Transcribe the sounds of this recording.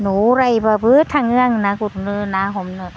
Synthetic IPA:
nuːɾajbabɯt̪ʰaŋɯəŋnakut̪̚nɯnaɦomnɯ

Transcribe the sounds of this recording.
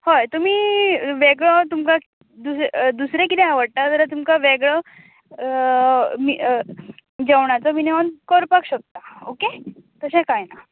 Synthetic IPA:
hojt̪um̤iːʋeɡɭɔt̪umka | d̪usd̪usɾekit̪ɛaʋəɽʈ̪at̪əɾt̪umkaʋeɡɭə | mi | d͡ʑeʋɳat͡sɔmineʋənkɔɾpakɕək̚t̪aoket̪əsɛ̃kajna

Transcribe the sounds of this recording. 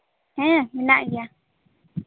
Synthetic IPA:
hẽmĩnãʔja

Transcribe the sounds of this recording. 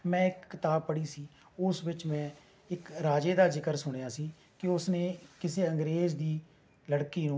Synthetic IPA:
mɛ̃ːɪkːɪt̪aːb̚pːəɽiːsiː | ʊsʋɪt͡ʃmɛ̃ː | ɪkɾaːd͡ʒeːd̪aːzɪkəɾsʊɽ̃jaːsiː | kɪʊsneːkɪseːəŋɡɾeːzd̪iː | ləɽkiːnũː

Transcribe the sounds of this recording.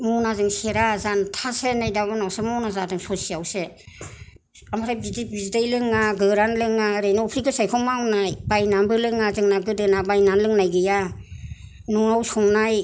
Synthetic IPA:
mɔnazɯŋseɾazantʰasenajdabɯnawsemɔwnazadɯŋsɔsiawse | amaɾabidibizdajlɯŋaɡɯɾanlɯŋaɾejnɔpʰɾikʰɯsajkʰɔŋmawnajbajnambɯlɯŋazɯŋnaɡɯdɯnabajnanlɯŋnajɡɯja | nuŋawsɔŋnaj

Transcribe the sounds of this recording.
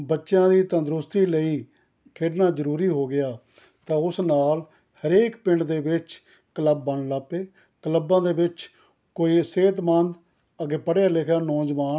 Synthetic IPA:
bətːʃjãːd̪iːt̪ə̃nd̪ɾʊst̪iːləiː | kʰeːɖnaːzəɾuːɾiːɦoːɡɪjaː | t̪ãːʊsnaːl | həɾeːkpɪ̃ɳɖd̪eːʋɪt͡ʃ | kələbːəɳlaːpeː | kələbːãːd̪eːbɪt͡ʃ | koːiːseːt̪mənd̪ | əɡeːpəɽjaːlekʰjaːnɔːd͡ʒʋaː

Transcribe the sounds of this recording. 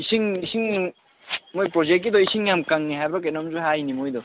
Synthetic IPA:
isiŋisiŋ | mojpɾozek̚kːid̪ɔisiŋjamkaŋːiɦajbɾɔk̬et̚namzuɦajnimojd̪ɔ

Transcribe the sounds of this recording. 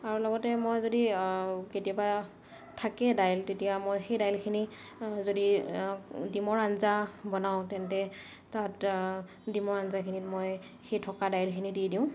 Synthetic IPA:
aɹulɔɡɔtɛmojzodiketijaba | tʰakɛdajltetijamojxejdajlkʰini | zodi | dimɔɹanzabɔnaʊ̃tɛntɛ | tat | dimɔɹanzakʰinitmoj | xejtʰɔkadajlkʰinididiʊ̃

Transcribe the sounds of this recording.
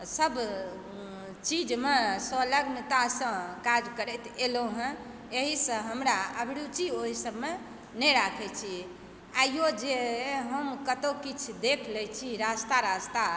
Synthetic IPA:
səb | t͡ʃid͡ʒmesoləɡmit̪asə̃kad͡ʒkəɾɛt̪eloɦɛ̃ | eɦisə̃ɦəmɾaəbʱɽut͡ʃioɦisəbme | nɛɾakʰɛt͡ʃʰi | ajjod͡ʒeɦəmkət̪okit͡ʃʰd̪ekʰlɛt͡ʃʰiɾast̪aɾast̪a

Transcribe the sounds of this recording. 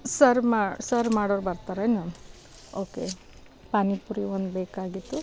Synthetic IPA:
sɐɾmasɐɾmaːɽoːɾbɐɾt̪aːɾɐjnu | oːke | pɐnipuɾiond̪beːkaːɡit̪ːu

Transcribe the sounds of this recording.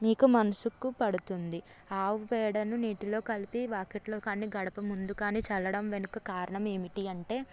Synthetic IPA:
miːkumɐnɐsukːupɐɽut̪und̪i | aːʋubɛːɽɐnuniːʈilo̞ːkɐlipiʋaːkeʈlo̞ːkaːniːɡɐɽɐpɐmund̪ukaːniːt͡ʃɛlːɐɽɐmʋe̞nukɐkaːɾɐɳɐme̞ːmiʈiɐɳʈe̞ː

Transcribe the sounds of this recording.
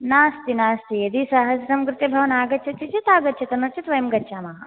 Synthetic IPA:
naːst̪inaːst̪iɐd̪isɐɦɐsɐsɐmkɾɪt̪jɐbʱɐʋɐnaːɡɐt̪t͡ʃʰɐt͡ʃit͡ʃit̪aːɡɐt̪ːʃʰɐt̪ɐnuɾt͡ʃʰit̪ʋɐjɐmɡɐtːʃʰaːmɐɦɐ

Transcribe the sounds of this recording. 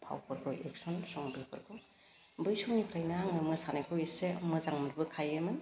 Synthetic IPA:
pʰa̰wpʰɔɾɡɔʔek̚sɔnsɔŋbepʰɯ̰ɾɡo | bɯjsɔŋnipʰɾajnaŋɯmɯsanakʰowisemɯzaŋmɯɾbɯkʰajemɯn

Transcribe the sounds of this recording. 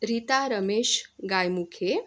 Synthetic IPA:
ɾit̪aɾəmeʃɡajmukʰe

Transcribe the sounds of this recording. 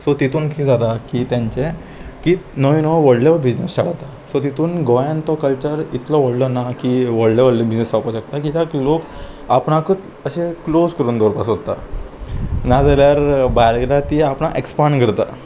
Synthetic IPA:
sɔt̪it̪uːnkʰiːd͡zat̪akit̪jãɲt͡ɕe | kinɔʋinɔʋəɽleʋəbid͡ʑnəst͡ɕaɽ̤at̪a | sɔt̪it̪uːnɡɔjãnt̪ɔkəlt͡ɕəɾit̪lɔʋəɽlɔnakiʋəɽleʋəɽlibid͡ʑnəsapɔɕakt̪akit̪aklok | apɳakət̪ | əɕeklod͡zkəɾuːnd̪oɾpasot̪a̰ | nad͡zaljaɾbajɾɡlat̪iapɳaʔekspaɳɡʱəɾt̪a̰

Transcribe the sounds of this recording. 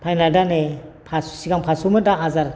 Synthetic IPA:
pʰajnadanepʰasu̥siɡaŋpʰasumɯdaazaɾ

